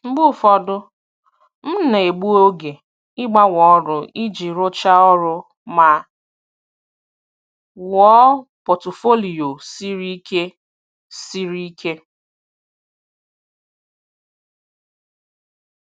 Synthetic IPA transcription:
m̩˦ɡ͡bu˦fɔ˦dʊ˦ | m̩˦ne˨e˨ɡ͡bu˦o˦ɡe˨ | ɪ˦ɡ͡ba˦wɔ˨˦ɾʊ˨ʔi˦d͡ʒi˨ɾʊ˦t͡ʃa˦ɔ˦ɾʊ˦ | ma˨ | wɔ˦po˨tʊ˨fo˦li˨o˨si˦ɾi˦ke˦ | si˦ɾi˦kʰe˦

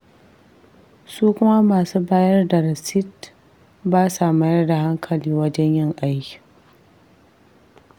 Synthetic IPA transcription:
suː˦kʷʊ˦ma˦maː˨suː˦baː˦jɐ˦rda˨ɾɐ˨sɪ˦t | baː˦sa˨ma˦jɐ˦rda˨ɦa˦ŋkʰɐ˨liː˦wɐ˦d͡ʒɛ˦ɲjɪ˦ŋʔa˦jkʲi̥˨

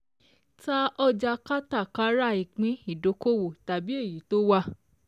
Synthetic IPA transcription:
ta˦ɔ˧d͡ʒa˧ka˦ta˦˨ka˨˦ɾa˦i˨k͡pĩ˨˦i˨do˨˦ko˦wo˦˨ta˨bi˦e˦˨ji˨˦to˦wa˦

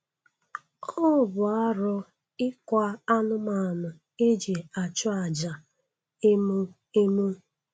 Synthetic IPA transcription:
ɔ˦˨bʊ˨a˦ɾɔ˦ | ɪ˦kʷa˦a˦nʊ˦ma˨nʊ˨ | e˦d͡ʒe˨a˨t͡ʃʊ˦a˨d͡ʒa˨ | e˦mu˦ | e˦mu˦

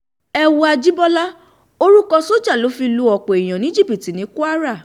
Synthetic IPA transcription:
ɛ˧wu˧a˧d͡ʒi˦bɔ˦la˦ | o˦ɾu˦kɔ˧so˦d͡ʒa˦˨lo˨˦fi˧lu˧˦ɔ˨k͡po˨i˨j̃ã˨nĩ˦d͡ʒi˦˨pi˨ti˨nĩ˨˦ku˦a˦ɾa˦˨

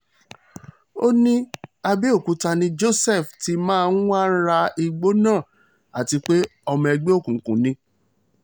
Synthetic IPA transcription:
o˦nĩ˦a˧bi˦o˦˨kũ˨˦ta˧nĩ˦d͡ʒo˦˨sɛ˦˨fti˨˦mãː˦˧n̩˦wã˦˧˦n̩˦ɾa˧i˧ɡ͡bo˦nãː˦˨ | a˨ti˧˦k͡pe˦ɔ˧mɔ̃˧ɛ˧ɡ͡be˦o˦˨kũ˨kũ˨˦nĩ˧˦

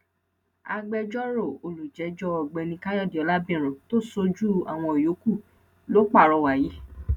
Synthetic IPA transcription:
a̰˧ɡ͡bɛ˧d͡ʒɔ˦ɾo˦˨o˨lu˨d͡ʒɛ˨˦d͡ʒɔ˦ɔ˨ɡ͡bɛ˧nĩ˧ka˦jɔ˦˨di˨ɔ˨˦la˦bĩ˦˨ɾ̃õ˨to˦so˧d͡ʒu˦a˨w̃ɔ̃˧o˨jo˨˦ku˦˨ | lo˦k͡pa˦˨ɾɔ˨˧wa˨ji˨˦

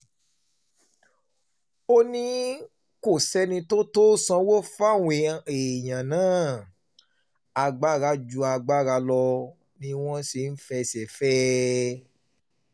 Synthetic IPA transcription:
o˦nĩ˦ | ko˦˨sɛ˦nĩ˧to˦to˦sã˧˦wo˦fa˦˨w̃ẽ˧˨e˨j̃ã˨nãː˦˨ | a˧ɡ͡ba˦˨ɾa˧˦d͡ʒu˧˦a˧ɡ͡ba˦˨ɾa˧lɔ˧ | nĩ˧w̃ɔ̃˦se˧˦n̩˦fɛ˧sɛ˨fɛ˦

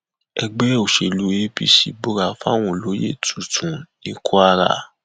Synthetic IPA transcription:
ɛ˧ɡ͡be˦o˨ʃe˨lu˨˦e˦pi˦ʃḭ˨bo˦ɾa˧fa˦˨w̃ɔ̃˦˨lo˨˦jḛ˦˨tʰu˨tʰũ˨nĩ˧˦kʰo˦a˧ɾa̰˦˨

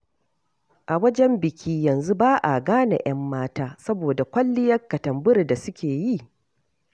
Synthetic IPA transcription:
ʔa˨wɐ˦d͡ʒɛ˦mbɪ˨kʲʰiː˦jɐ˨nzu˦baː˦ʔa̰˨ɡaː˦na̰˨j̰ɐ˦mːaː˦taː˦sɐ˦boː˨da˨kʷɐ˦lːɪ˦jɐ˦kːɐ˨tɐ˨mbʊ˦ɾda˨sʊ˦kʲeː˨ji˦˨

